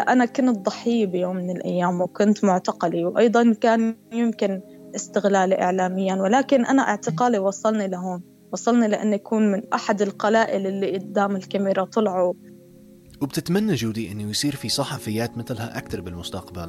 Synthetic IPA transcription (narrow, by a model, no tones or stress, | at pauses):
ʔanakʊnt̪̚dˤɑħːɪjːbɪjoːmːɪnɪlʔa̰jːaːmwkʊnt̪mʊʕt̪aqɑliwʔɑ̰jd̪ˤɑnkaːnjɪmkɪn | ʔɪst̪ɪɣlaːliʔɪ̰ʕlaːmɪjːanwɪlaːkɪnʔanaʔaʕt̪ɪqɑːliwɑsˤːɑlnilaɦoːm | wɑsˤɑlnilaʔa̰nːʔakuːnmɪnʔaħad̪ɪlqalaːʔɪlʔɪlːiʔʊd̪ːaːmɪlkamɪɾɑt̪ˤʊlʕu | wɪb̚t̪ɪt̪manːaʒuːd̪iʔɪnːujsˤiːɾfisˤɑħɑfɪjːaːt̪mɪθlhaʔakt̪ɑɾˤbɪlmʊst̪aqba̰l